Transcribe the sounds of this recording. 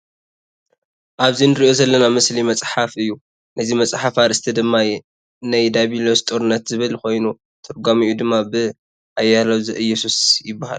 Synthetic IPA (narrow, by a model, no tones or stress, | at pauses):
ʔaβzinɨɾiʔozɐlːɐnamɨslimɐt͡sʼħafɨjːu | nʔɐzimɐt͡sʼħafaɾɨst̪ʰid̪ɨmːa | najd̪aβilost̪ʼoɾɨnːɐt̪zɨβɨlko̞jnu | t̪ʰɨɾɡamɨʔjud̪ɨmːabɨ | ʔajːalɐwzɨʔɨjːɛsusjɪbːaha̰l